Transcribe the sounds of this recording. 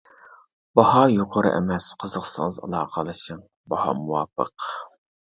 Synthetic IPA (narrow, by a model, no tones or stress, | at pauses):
b̥ɑhɑjoqʰəɾɨ̰ʔɛ̰mɛsqʰəzəχsɨŋəzɑ̰lˠɑːqʰəlˠɨʃɨm | bɑhɑ̰muwɑːpə̰q